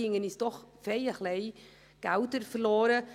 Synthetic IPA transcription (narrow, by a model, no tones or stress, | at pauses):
ɪŋənɪsd̥ɔχfejəxlej | ɡ̥awtəɾfərloːɾə